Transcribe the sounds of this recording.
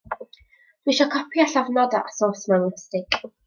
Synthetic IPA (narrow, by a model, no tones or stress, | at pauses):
d̥wiʃɔkʰɔpʰjaɬavnɔd̪a̰ʔasɔːsmanstɪkʼ